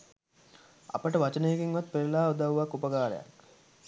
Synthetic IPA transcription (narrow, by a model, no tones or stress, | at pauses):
a̰pəʈəʋat͡ʃənejːɡeŋʋat̪̚peɾlaːud̪awʋakːupəɡaːɾə̰ja̰k